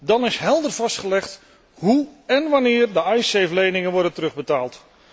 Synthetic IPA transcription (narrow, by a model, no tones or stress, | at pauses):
dɑnɪsɦɛlˠdərvɑstχəlɛχt | ɦuɛnʋɑnɪːɹdəɑjsejvəlejnɪŋənʋɔɹdəntərɵχbətaːlˠt